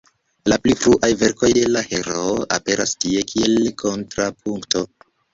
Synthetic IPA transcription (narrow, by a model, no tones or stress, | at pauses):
laplipɾuʔajve̞ɾko̞jde̞lahe̞ɾoʔa̰pe̞ɾʔastie̞kʰie̞lkʰo̞ntɾap̚ʰuŋkto̞